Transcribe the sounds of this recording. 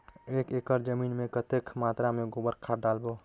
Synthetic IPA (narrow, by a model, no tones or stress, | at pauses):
eːkeːkəɾd͡ʒəmiːnmẽkət̪ekʰmaːt̪ɾamẽɡobəɾkʰaɖaːlboː